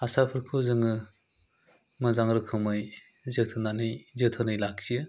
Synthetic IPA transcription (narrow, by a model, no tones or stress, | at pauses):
asapʰɯɾkʰɯzɯŋɯ | mɯzaŋɾɯkʰɯmɯj | zɯtʰɯnanɯjzɯtʰɯnɯjlak̚t͡ʃ